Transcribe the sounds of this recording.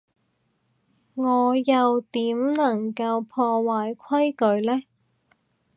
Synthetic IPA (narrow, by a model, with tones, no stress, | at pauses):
ŋɔː˨˧jɐ˨wt̪iː˨˥mnɐ˨˩ŋkɐ˧wpʰɔː˧waː˨˧jkʰwɐ˥jkɵ˨˧ɥlɛː˥